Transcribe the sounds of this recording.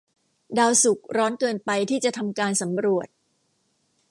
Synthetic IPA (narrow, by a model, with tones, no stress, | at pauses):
daː˧wsu˨˩k̚ɾɔː˦˥nkɤː˧npa˧jt̪ʰiː˥˩t͡ɕa˨˩t̪ʰa˧mkaː˧nsa˩˦mɾu˨˩ət̪̚